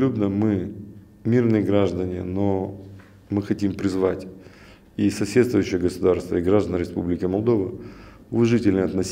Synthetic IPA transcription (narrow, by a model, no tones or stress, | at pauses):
ubnəmɨ | mʲirnɨjəɡɾaʐd̪ənʲɪno | mɨxɐtʲimpɾʲɪzvatʲ | isɐsʲet̪st̪vʊjːɕːɪjəɡəsʊd̪arst̪və̰iɡɾaʐd̪ənɾʲɪspublʲɪkʲɪmɐlˠd̪o̞və | ʊvɐʐɨtʲɪlʲnəɐt̪nɐsʲ